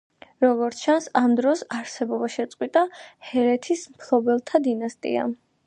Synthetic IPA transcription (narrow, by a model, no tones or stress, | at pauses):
ɾɔɡɔɾt̪ʰt͡ʃʰansamd̪ɾɔsaɾsɛbɔbaʃɛt̪sʼqʼwit̪ʼahɛɾɛt̪ʰismpʰlˠɔbɛlˠt̪ʰad̪inast̪ʼḭa̰